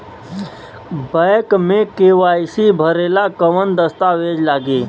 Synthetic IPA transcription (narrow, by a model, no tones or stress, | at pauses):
bəkmẽkeːʋaːsibʱəɾeːlakəʋənd̪əst̪aʋeːd͡ʒlaːɡiː